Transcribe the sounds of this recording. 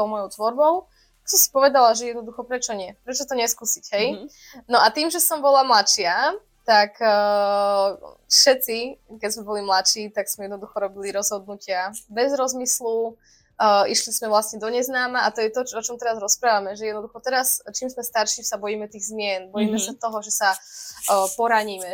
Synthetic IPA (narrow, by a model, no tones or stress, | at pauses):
t̪ɔʊmɔjɔʊt̪ʋɔɾbɔʊ | t̪aksɔmsi̥pɔʋɛd̪alaʒɛjɛd̪nɔd̪uxɔpɾɛt͡ʃɔɲɪɛpɾɛt͡ʃɔt̪ɔɲɛskuːsicɦɛj | nɔʔat̪iːmʒɛsɔmbɔlamlat͡ʃɪa | t̪akː | fʃɛt͡sikɛzmɛbɔlimlat͡ʃiːt̪aɡsmɛjɛd̪nɔd̪uxɔɾɔbiliɾɔzɦɔd̪̚nucɪabɛzɾɔzmislu | iʃlismɛʋlasɲɛd̪ɔɲɛznaːmaat̪ɔjɛt̪ɔt͡ʃɔt͡ʃɔmt̪ɛɾazɾɔspɾaːʋamɛʒɛjɛd̪nɔd̪uxɔt̪ɛɾast͡ʃiːmzmɛst̪aɾʃisabɔjiːmɛt̪iːɣzmɪɛnbɔjiːmɛsat̪ɔɦɔʒɛsa | pɔɾaɲiːmɛ